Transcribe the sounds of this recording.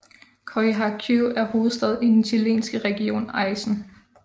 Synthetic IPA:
kʰɒiɦɑkʰuæɐɦo̝ːð̞̩ˠsd̥ɛð̞ˠid̥ent͡sʰælḛːnsɡ̥əʁɛɡ̥io̝̰ːnɑ̈ɪsn̩

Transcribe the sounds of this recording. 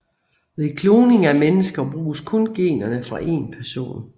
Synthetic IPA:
ʋekʰlo̝ːne̝ŋæmenəsɡ̥ɐb̥ʁuːskʰɔ̽nɡ̥e̝̰ːnɐnəfʁɑ̈ʔe̝̰ːnpʰæɐso̝̰ːn

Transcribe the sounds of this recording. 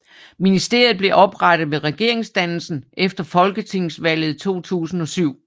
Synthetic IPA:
minisd̥e̝ɐ̰ð̩ˠb̥le̝ʔɒ̽b̥ʁɑɾ̥ð̩ˠʋe̝ʁɛɡ̥e̝ɐ̰e̝ŋsd̥ænl̩sn̩ʔefd̥ɐfɒ̽lɡ̥ət͡sʰe̝ŋ̰sʋæl̰ð̩ˠt͡sʰo̝̰ːt͡sʰṵːsn̩ɒ̽syʊ̰

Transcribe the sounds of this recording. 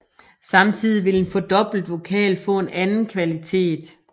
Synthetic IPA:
sɑ̈mt͡sʰið̞̰ˠiʋe̝lenfɒ̽d̥ɒ̽b̥l̩d̥ʋo̝kʰɛ̰ːlfɔ̰̽ːe̝nænn̩kʰʋælit͡sʰe̝̰ːd̥

